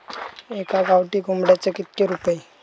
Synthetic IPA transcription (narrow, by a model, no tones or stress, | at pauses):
ekaɡawʈiːɡʱumbɽjat͡səkit̪̚keɾupəj